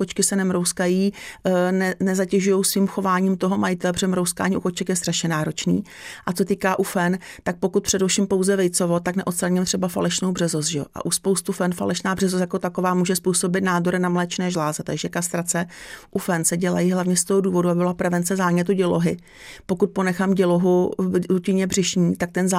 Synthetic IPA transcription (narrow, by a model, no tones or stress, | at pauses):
kot͡ʃkɪsɛnɛmɾowskajiːnɛnɛzacɛʒujo̞wsviːmxo̞vaːɲiːmt̪o̞ɦo̞majɪt̪ɛlɛr̥ɛmɾowska̰ːɲiːʔuko̞t͡ʃɛkjɛst̪raʃɲɛnaːɾo̞t͡ʃniː | ʔat͡sot̪iːkaːʔufɛnt̪ak̚pokut̪̚pr̝̥ɛdɛfʃiːmpo̞wzɛvɛjt͡so̞vo̞t̪aknɛʔot̪st̪ɾaɲɪmt̪r̥ɛbafa̰lɛʃnowbrɛzos̬ʒɛo̰ʔa̰ʔuspowst̪ufɛnfa̰lɛʃnaːbr̥ɛzos̬jako̞t̪akovaːmuːʒɛspuːso̞bɪt̪naːdo̞ɾɪnamlɛːt͡ʃnɛːʒlaːzɛt̪aɡʒɛkast̪ɾat͡sɛʔufɛnsɛɟɛla̰jiɦlavɲɛst̪oɦoduːvo̞duabɪbɪlapɾɛvɛnt͡sɛzaːɲɛt̪uɟɛloɦɪ | po̞kut̪̚po̞nɛxamɟɛloɦuɾucɪɲɛbrɪʃɲiːt̪ak̚t̪ɛnz